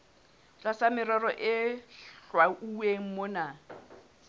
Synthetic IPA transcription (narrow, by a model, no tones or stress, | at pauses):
t͡ɬʼasamɪɾɔrɔʔɪɬwauweŋ̩mʊna